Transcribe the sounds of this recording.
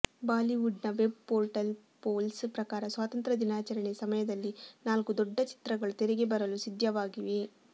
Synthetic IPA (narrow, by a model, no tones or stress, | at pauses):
baːliʋuɖnɐʋe̞b̚poːɾʈɐl | poːlspɾɐkaːɾɐsʋaːt̪ɐnt̪ɾɐd̪inaːt͡ʃɐɾɐɳesɐmɐjɐd̪ɐlːinaːlkud̪ɔɖːɐt͡ʃi̥t̪ɾɐɡɐɭut̪eɾɛɡebɐɾɐlusid̪ʱjɐʋaːɡiʋe